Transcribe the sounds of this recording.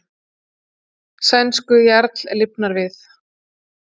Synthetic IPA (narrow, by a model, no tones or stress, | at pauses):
sɛnskʏjɛɾt̪lɛɾlɪpnaɾvɪθ